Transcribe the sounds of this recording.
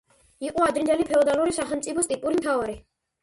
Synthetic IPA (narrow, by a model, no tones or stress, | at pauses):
iqʼuad̪ɾind̪ɛlipʰɛɔd̪aluɾisaχɛmt̪sʼipʰɔst̪ʼipʼuɾimt̪ʰaɔɾi